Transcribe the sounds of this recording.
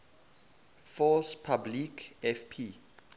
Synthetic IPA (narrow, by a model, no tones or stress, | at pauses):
fɔspʰablikɛfpʰi